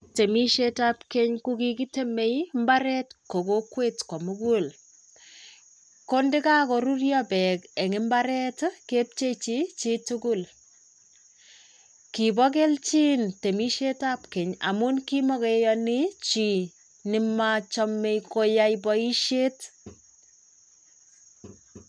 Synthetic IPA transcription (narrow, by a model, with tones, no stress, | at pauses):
te˨mi˦ʃetapke˦ɲkuki˦ki˦te˦me˦jmbaɾɛtko˨kokwe˦tkɔ˨mukul | kondɪ˦ka˦koɾu˦rjɔbɛ˨ke˨ŋɪ˦mba˦ɾɛ˦tkep̚t͡ʃe˦t͡ʃi˦t͡ʃitukʊl | ki˨bɔ˦k̬e˦lt͡ʃi˦nte˨mi˦ʃetapke˨ɲa̰˨munkimɔ˦ke˨jɔni˦t͡ʃi˨ | nɪ˦mat͡ʃɔ˦mːe˦jko˦jajbɔ˦i˦ʃe˦t